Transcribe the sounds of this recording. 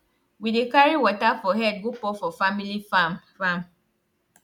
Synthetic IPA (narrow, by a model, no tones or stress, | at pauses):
widekaɹiwɔtafɔɦɛd̚ɡupɔfɔfamilifamfam